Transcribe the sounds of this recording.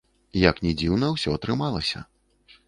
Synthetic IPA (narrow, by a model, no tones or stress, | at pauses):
jɐknʲɛd͡zʲiwn̪ɐwsʲɔɐt̪ɾɨmalˠɐsʲɐ̰